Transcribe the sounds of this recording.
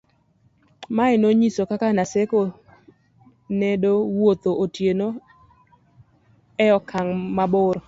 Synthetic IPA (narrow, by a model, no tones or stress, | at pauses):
maɪnoɲisokakanaseko | nɛdowot̪oʔotjeno | ɛjɔkʰaŋmabʊɾ